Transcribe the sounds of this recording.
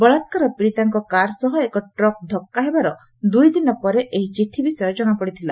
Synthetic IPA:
bɔɭat̪kaɾɔpɾit̪aŋkɔkaɾsɔɦɔekɔʈɾɔk̚d̪ʱɔkːaɦebaɾɔ | d̪ujd̪inɔpɔɾeʔeɦit͡ʃiʈʰibisɔjɔd͡ʒɔɽ̃ɔkɔɽit̪ʰila

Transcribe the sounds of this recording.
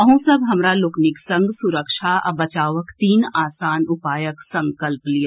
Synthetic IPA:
ɐɦũsɐbɦɐmɾalʊknɪksɐ̃ŋɡsʊɾəkʃaɐ̰bɐt͡ʃaːʋəkt̪iːnaːsaːnʊpaːjəksɐ̃ŋkəlplijaː

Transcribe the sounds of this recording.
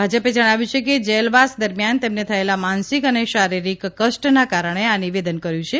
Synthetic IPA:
bʱad͡ʒəped͡ʒəɽ̃aʋjũt͡ʃʰeked͡ʒelʋasd̪əɾmjant̪emnet̪ʰəelamansikəneʃaɾiɾikkːəʃʈnakaɾəɳ̃eaniʋed̪ənkəɾjũt͡ʃʰe

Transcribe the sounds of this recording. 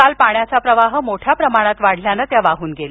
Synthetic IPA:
alpaɳjat͡sapɾəʋaɦəmoʈʰjapɾəmaɽ̃at̪ʋaɽ̤ljanət̪jaʋaɦuːnɡel

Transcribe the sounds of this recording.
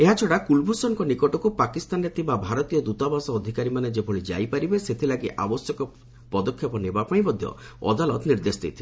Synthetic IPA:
eɦat͡ʃʰɔɽakulbʱusɔnkɔnikɔʈɔkupakist̪anɾet̪ʰimbabʱaɾɔt̪ijɔd̪ut̪abasɔːd̪ʱikaɾimaned͡ʒebʱɔɭid͡ʒa̰jpaɾibeset̪ʰilaɡiʔa̰bɔsjɔkɔ | pɔd̪ɔkʰjɔpɔnebapaĩmɔd̪ʱjɔ̰ | ɔ̰d̪alɔt̪niɾd̪esd̪ḛjt̪ʰi

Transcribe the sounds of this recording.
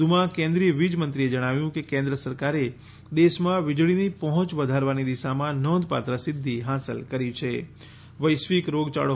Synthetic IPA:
umãkẽnd̪ɾiəʋid͡ʒmənt̪ɾied͡ʒəɽ̃aʋjũkekẽnd̪ɾəsəɾkaɾe | d̪eʃmãʋɪd͡ʒɭinipəɦɔ̃t͡ʃʋəd̪ʱaɾʋanid̪iʃamãnɔ̃d̪pa̰t̪ɾəsɪd̪ʱːiɦasə̰lkəɾit͡ʃʰe | ʋəjʃʋikɾoɡt͡ʃa̰ɭo

